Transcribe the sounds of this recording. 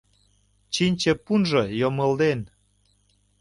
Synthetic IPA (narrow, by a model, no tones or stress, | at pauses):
t͡ɕinʲt͡ɕĕpunʒɤ̆jomə̆ld̪en